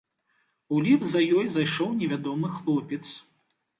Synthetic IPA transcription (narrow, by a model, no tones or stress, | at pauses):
ulʲivzɐjɔjzajʂɔwnʲɛvʲad̪ɔmɨxlˠɔpʲɛt̪s